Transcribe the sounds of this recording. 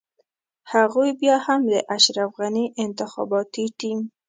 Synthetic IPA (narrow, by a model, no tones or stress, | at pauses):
haɣojbjɑhamd̪ə̰ʔaʃɾafɣaniʔɪnt̪ɪxɑ̰bɑt̪iʈim